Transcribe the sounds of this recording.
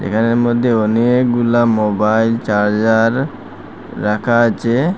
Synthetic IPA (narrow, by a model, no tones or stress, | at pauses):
d͡ʒḛkʰaneɾmod̪ʱːeɔnekɡulamobajlt͡ɕaɾd͡ʑaɾː | akʰaat͡ɕʰe